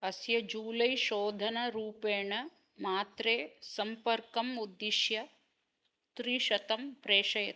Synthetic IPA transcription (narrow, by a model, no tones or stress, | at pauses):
ɐsjɐd͡ʒuːlɐjʃoːd̪ʱɐnɐɾuːpeːɳɐ | maːt̪ɾeːsɐmpɐɾkɐmud̪ːiʃjɐ | t̪ɾiʃɐt̪ɐmpɾeːʃɐjɐt̪